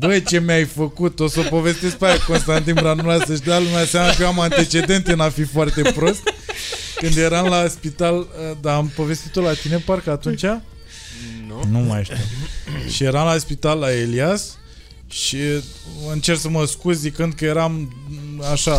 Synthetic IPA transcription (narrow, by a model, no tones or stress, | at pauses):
bət͡ʃe̞majfəkut̪osəpo̞ve̞st̪e̞sk̚paako̞nst̪ant̪̬inbɾanulasəʃd̪alumasamakəamant̪e̞t͡ʃe̞d̪e̞nt̪enafifoart̪e̞pɾo̞st̪kɨnd̪je̞ɾamlaspit̪aləd̪aːmpo̞ve̞st̪it̪olat̪ine̞parkəat̪unt͡ʃa | numajʃt̪imʃije̞ɾamlaspit̪alːaelias | ʃi | ɨnt͡ʃe̞rsəməskuzːikɨnd̪̚kəje̞ɾam | aʃa